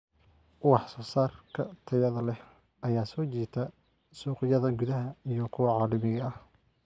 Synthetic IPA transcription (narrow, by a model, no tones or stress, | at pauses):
wɑħsɔːsaːrkʰɐt̪ʰɐjɐðɐlɛh | ɐjaːsɔːt͡ʃiːt̪ʰɐ | suːqɪjɐðɐɡʊðɐɦɐijɞkʰʊwɑʕɑːlɐmɪɣɐɐh